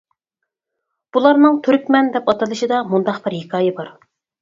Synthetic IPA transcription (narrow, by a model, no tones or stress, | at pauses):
b̥ulˠɑɾnɨŋt̪ʰyɾk̚ʲmɛnd̪ɛpɑt̪ɨlˠɨʃid̪ɑmund̪ɑqbɪɾhikʰɑːjɛbɑɾ